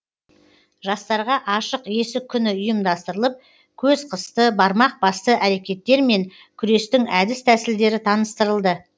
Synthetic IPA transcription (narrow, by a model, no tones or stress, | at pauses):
ʒɑst̪ɑɾʁɑʔɑʃəqe̞sɪkʲʰːʏnɪʊjəmd̪ɑst̪əɾəlˠəp̚ | kʲʰɵzqʰəst̪əbɑɾmɑq̚bɑst̪əʔæɾe̞kʲe̞t̪ːe̞ɾme̞ŋ | kʲʰʏɾe̞st̪ɪŋæd̪ɪst̪ʰæsɪld̪e̞ɾɪt̪ʰɑnəst̪əɾəlˠd̪ə